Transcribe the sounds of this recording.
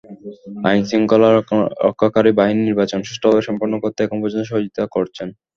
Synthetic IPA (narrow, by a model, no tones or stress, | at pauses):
ajnsiŋkɔlaɾɔ̰kʰːakaɾibaɦininiɾbat͡ɕonʃeʃʈobʱabeʃɔmpoɾnokoɾt̪ʰeɛkʰonpɔd͡ʑont̪oʃɔɦod͡ʑit̪akoɾt͡ɕʰen